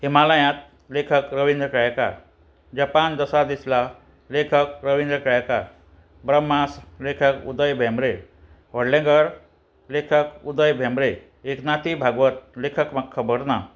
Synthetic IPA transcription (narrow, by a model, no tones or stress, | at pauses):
himaləjãt̪̚ | lekʰəkɾəʋind̪ɾəkajka̰ɾ | d͡ʑəpand̪əsad̪isla | lekʰək̚ɾəʋind̪ɾəkjka̰ | bɾəmːaslekʰəkṵd̪əjbʱẽmɾe | ʋəɽlẽŋɡəɾ | lekʰəkud̪əjbʱẽmɾe | eknat̪ibʱaɡʋət̪̚lekʰəkməkʰːəbəɽna